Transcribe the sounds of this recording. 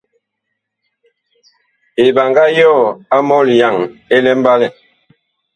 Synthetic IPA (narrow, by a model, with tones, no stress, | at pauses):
e˨ba˨ŋɡa˦jɔː˦˨a˦mɔ˦li˨ja˨ŋe˦lɛ˦m̩˦ba˦lɛ˨